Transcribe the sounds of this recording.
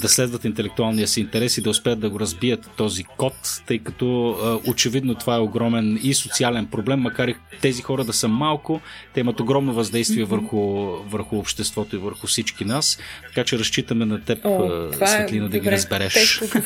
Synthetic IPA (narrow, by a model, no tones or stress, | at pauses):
d̪ɐslɛd̪vɐt̪int̪ɛlɛk̚t̪ualˠnijəsiːnt̪ɛɾɛsid̪ɐʊspɛjət̪ːɐɡoɾɐzbiət̪ːɔzikɔt̪ːɤjkɐt̪ɔʔot͡ʃɛvid̪not̪ovaɛoɡɾɔmɛnisot̪sialɛnpɾoblɛmːɐkaɾit̪ɛzixɔɾəd̪ɐsəmalˠkʊ | t̪ɛimɐt̪oɡɾɔmnovɐzd̪ɛjst̪viɛvəɾxʊvəɾxʊːpʃt̪ɛst̪vɔt̪oivəɾxʊfsit͡ʃkinast̪ɐ̥kat͡ʃɛɾɐst͡ʃit̪əmɛnɐt̪ɛp̪svɛlinɐd̪ɐɡʲiɾɐzbɛɾɛʃ